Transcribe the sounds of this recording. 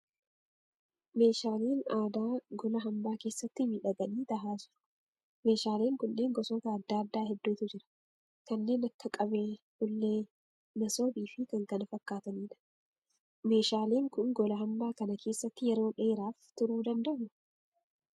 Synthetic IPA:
me̞ːʃaːleːnaːd̪aːɡɔlɐɦɐmbaːke̞ːsːɐt̪ːɪmiᶑɐɡɐniːt̪ɐɦaːd͡ʒɐ̥ | me̞ːʃaːle̞ːŋkʊnːe̞ːŋɡɔsɔːt̪ɐːd̪ːaːɐd̪ːaːɦɛd̪ːuːt̪ʊd͡ʒɪɾɐ̥ | kɐnːe̞ːnɐkːɐkʼɐbeːhʊlːeː | nɐsoːbiːfɪkɐŋkɐnɐfɐkːaːt̪ɐniːᶑɐ̥ | me̞ːʃaːle̞ːŋkʊnɡɔlɐɦɐmbaːkɐnɐkʰe̞ːsːɐt̪ːɪjɛɾo̞ːᶑeːɾaːft̪ʊɾuːd̪ɐnd̪ɐʔnʊ̥

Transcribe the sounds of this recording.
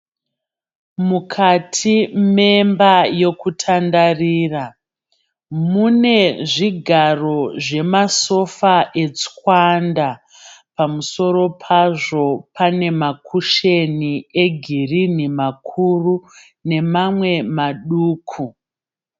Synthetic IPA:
mukʰatʰime̞mbaje̞kutʰandariːra | mune̞ʐiɡʱaro̞ʐe̞maso̞faʔe̞t͡skwanda | pamuso̞ɾo̞pʰaʐo̞pʰane̞makʰuʃe̞nie̞ɡʱirin̤imakʰuru | ne̞mamwe̞maɗuːkʰu

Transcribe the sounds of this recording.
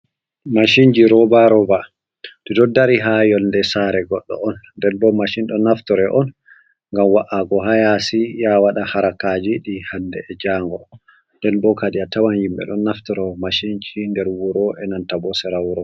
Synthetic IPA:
maʃind͡ʒiɾɔbaɾɔba | didɔdaɾiɦajɔlndɛsaɾɛɡɔɗːɔ̰ɔnː | dɛnbɔmaʃinɗɔnaftɔɾɛʔɔn | ŋɡamwaʔaɡɔɦajasijawaɗahaɾakad͡ʒiɗihandɛːd͡ʒaːŋɡɔ | ndɛnbɔkaɗiatawanhimbɛ̰ɗɔnːaftɔɾɔmaʃind͡ʒindɛɾwuɾɔʔɛnantabɔsɛɾawɾɔ

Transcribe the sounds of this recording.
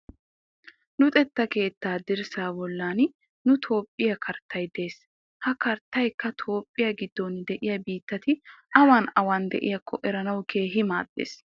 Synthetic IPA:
nʊt̪ʼɛt̪ːɐke̞ːt̪ːaːd̪ɪɾsaːbɔlːaːn | nʊt̪ʰo̞ːpʼːɪjɐkʰɐɾt̪ːɐjd̪eːs | hɐkɐɾt̪ːɐjkːɐt̪ʰo̞ːpʼːɪjɐɡɪd̪ːond̪ɛʔɪjɐbiːt̪ːɐt̪ɪʔɐwaːnɐwaːnd̪ɛ̰ʔɪ̰jɐkʰːɔʔɛɾɐnɐwkʰe̞ːɦɪma̰ːd̪̥ːḛːs

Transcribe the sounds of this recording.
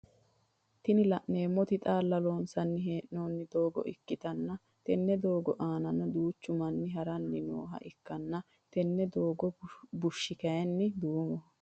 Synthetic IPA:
t̪ɪnɪlɐʔne̞ːmːɔt̪ɪt̪ʼaːlːɐloːnsɐnːɪɦe̞ːʔno̞ːnːɪd̪o̞ːɡɔ̰ʔɪkːɪt̪ɐnːɐ | t̪ɛnːɛd̪o̞ːɡɔʔaːnɐnɐd̪uːt͡ʃːʊmɐnːɪɦɐɾɐnːɪno̰ːɦɐ̰ʔɪkːɐnːɐ | t̪ɛnːɛd̪oːɡɔbʊʃːɪkɐjɛnːɪd̪uːmɔ

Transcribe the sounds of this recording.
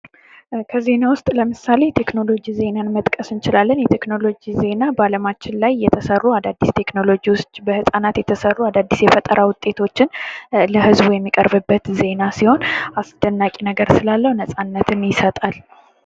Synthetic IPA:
kʰəze̞nawʊst̪ʼləmɨsale̞t̪ʰe̞kno̞lo̞d͡ʒize̞nanmət̪ʼkʼəsɨnt͡ʃɪlalːənjɛt̪ʰe̞kno̞lo̞d͡ʒize̞nabaləmat͡ʃːɪnlajːɛt̪ʰəsərːuad̪ad̪ːist̪ʰe̞kno̞lo̞d͡ʒiwʊst͡ʃʼbəhɨsʼanat̪jɛt̪ʰəsərːuad̪ad̪ːisjɛfət̪ʼəɾəwʊt̪ʼːe̞t̪ʰo̞t͡ʃːɪnləhɨzbujɛmːikʼə̰ɾbɨbːət̪ze̞nasiho̞nasd̪̥ənːakʼinəɡəɾsɨlalːəhunəsʼanːət̪ʰɨnjɪsət̪ʼal

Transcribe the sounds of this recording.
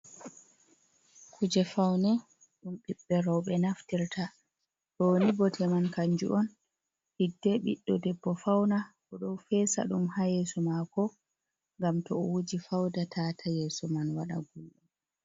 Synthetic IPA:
kʰud͡ʒɛfawnɛ | ɗumɓiɓːɛɾɔwɓɛnaftiɾtʰa | ɗɔnibɔtʰɛmankaɲd͡ʒṵʔɔn | hidːɛɓḭɗːɔdɛbːɔfawnaʔɔɗɔwfɛsa̰ɗumhajesɔmakɔ | ŋɡamtɔɔwud͡ʒifawdatʰatʰajeːsɔmanwaɗa̰ɡulɗu

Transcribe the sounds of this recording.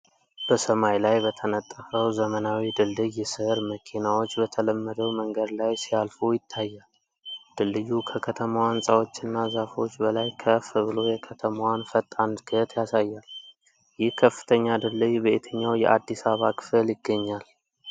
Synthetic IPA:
b̥əsəmajlajbət̪ʰənət̪ʼːəfəwzəmənawid̪ɨlːɨjːɛsɨhɾməkʰinawo̞t͡ʃːbət̪ʰələmːəd̪əwməŋɡəd̪lajsialfujɪt̪ʰːajːal | d̪̥ɨlːɨjːukʰəkʰət̪ʰəmawansʼawo̞t͡ʃːɨnːazafo̞t͡ʃːbəlajkʰəfβɨlo̞jɛkʰət̪ʰəmawanfət̪ʼːand̪ɡət̪ʰjasajːal | jɪhkʰəfːɨ̥t̪ʰəɲːad̪ɨlːɨjbəʔet̪ʰəɲːawjɛ̰ʔad̪ːisaβakʰɨ̥fɨljɪɡːəɲːal

